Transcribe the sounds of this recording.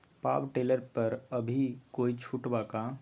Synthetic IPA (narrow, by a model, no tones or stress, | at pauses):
pa̰bʈeləɾpəɾəbʱikoit͡ʃʰuʈbaka